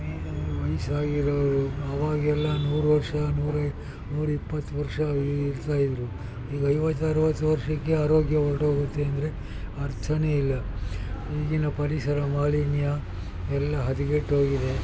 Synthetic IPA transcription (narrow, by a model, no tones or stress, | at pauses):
ʋɐjsaːɡiɾoːʋɾuɐʋaːɡɛlːɐnuːɾuʋɐɾʂɐnuːɾɐ | nuːɾipːɐt̪ːuʋɐɾʂɐiiɾt̪aːjid̪ɾu | iːɡɐjʋɐt̪ːɐɾʋɐt̪ːuʋɐɾʂɐkːe̞aːɾo̞ːɡjɐʋɐɾʈoːɡut̪ːeɐnd̪ɐɾe̞ | ɐɾt̪ʰɐneilːɐ | iːɡinɐpɐɾisɐɾɐmaːlinjɐ | ɛlːɐɦɐd̪iɡeʈɦoːɡid̪e̞